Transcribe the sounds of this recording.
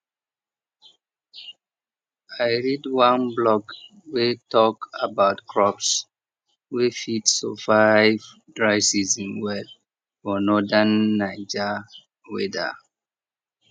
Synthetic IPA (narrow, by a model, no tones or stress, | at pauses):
aɪɹidwãnblɔɡ | wetʰɔkabaʊtkʰɹɔps | wefitsɔ̰vaɪv | dɹaɪsizĩnwɛd | fɔnɔdanːaɪd͡ʒa | wḛda̰